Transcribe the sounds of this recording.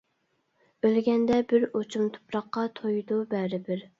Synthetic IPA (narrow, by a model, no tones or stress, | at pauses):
ølɡʲɛnd̪ɛbɪɾot͡ʃʰumt̪ʰʊ̥pɾɑqːɑt̪ʰojd̪ubæɾɪbɪɾ